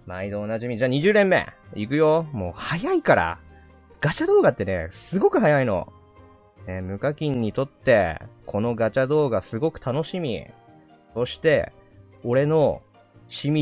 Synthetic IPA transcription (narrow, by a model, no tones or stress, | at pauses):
maid̪o̞ːnaʑimʲid͡ʑaːɲ̟iʑɨːɾẽ̞mːe̞̰ikɯ̟jo̞mo̞ːhajaikaɾa̰ | ɡ̥at͡ɕad̪o̞ːɡat̪ːe̞ne̞̰sɨɡo̞kɯ̟ɦajaino̞̰ | nemɯ̟kakʲĩɲ̟ːit̪o̞t̪ːe̞kʰo̞no̞ɡat͡ɕad̪o̞ːɡasɨɡo̞kɯ̟̥t̪ano̞ɕimʲḭ | so̞ɕi̥t̪e̞ | o̞ɾe̞no̞ | ɕimʲi